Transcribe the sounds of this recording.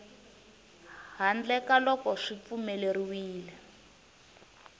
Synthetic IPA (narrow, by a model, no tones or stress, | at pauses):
ɦand͡ɮɛkalɔkɔʂip̪fumɛleɾiwiːlɛ